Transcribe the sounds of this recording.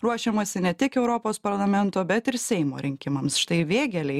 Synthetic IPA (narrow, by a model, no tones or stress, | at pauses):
ɾuɔʃʲɛmosʲɪnʲɛt̪ʲɪkɛʊɾoːpoːspɐɾlˠɐmʲɛnt̪oːbʲɛt̪ɪɾsʲɛɪmo̰ɾʲɪŋʲkʲɪmɐmsʃɪ̥t̪ɐɪʋʲeːɡʲɛlʲɛɪ